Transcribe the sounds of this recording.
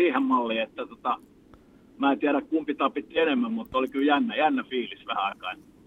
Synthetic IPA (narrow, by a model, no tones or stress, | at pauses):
iːhemmɑlːiːet̪ːæt̪ŏt̪ɑ | mæˑːt̪iæɾækkumpit̪ɑpit̪ːienemːæmmut̪ːolikyljænːæjænːæfiːlisʋæhæɑˑikɑe